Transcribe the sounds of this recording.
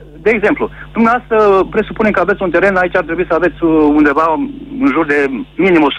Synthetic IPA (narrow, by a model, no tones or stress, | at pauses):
d̪e̞ːɡze̞mplud̪umneaast̪ɾəpɾe̞supunekəavet̪sʲunt̪e̞ɾe̞nait͡ʃʲaɾt̪ɾebuisəave̞t̪sʲund̪e̞vaɨnʒurd̪e̞minimus